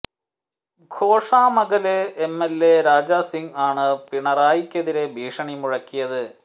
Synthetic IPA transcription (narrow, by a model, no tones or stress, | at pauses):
ɡʱo̞ːʂaːmɐɣɐleemːelːeɾaːd͡ʑaːsiŋaːɳɨpiɳɐraːjikʲːeðiɾe̞bʱiːʂɐɳimuɻɐkːijɐðɨ